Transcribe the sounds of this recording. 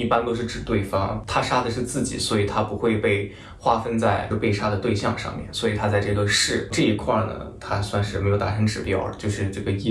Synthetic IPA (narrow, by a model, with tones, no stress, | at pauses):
i˥˩pa˥nt̪o˥ʊʂ̬ɻ̩˥˩ʈ͡ʂɻ̩˨˩t̪we˥˩ɪfɑ˥ŋt̪ʰa˥ʂa˥d̪ə˨ʂɻ̩˥˧t͡sɹ̩˥˩t͡ɕḭ˨˩swɔ˧˥i˨˩t̪ʰa˥pu˧˥xwe˥˧ɪpe˥˩ɪ | xwa˥fə˥nt͡sa˥˩ɪɻ̩˥˧pe˥˩ɪʂa˥d̪ə˨t̪we˥˧ɪɕjɑ˥˧ŋʂɑ̰˥˧ŋmjɛ̰˥˩nswɔ˧˥i˨˩t̪ʰa˥t͡sa˥˧ɪʈ͡ʂɤ˥˩ɡə˧˥ʂɻ̩˥˩ʈ͡ʂɤ˥˧i˧˥kʰwa˥˩nə̰˩t̪ʰa˥swa˥˧nʂɻ̩˥˩me˧˥jʊt̪a˥˩ʈ͡ʂʰɤ˧˥ŋʈ͡ʂɻ̩˨˩pjɑ˥˩ʊt͡ɕjo˥˧ʊʂɻ̩˥˧ʈ͡ʂɤ˥˩ɡə˩i˥